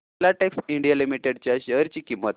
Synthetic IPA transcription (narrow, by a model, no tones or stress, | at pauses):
laʈeksiɳɖijalimiʈeɽt͡ɕjaɕəɦəɾt͡ɕiːkimːət̪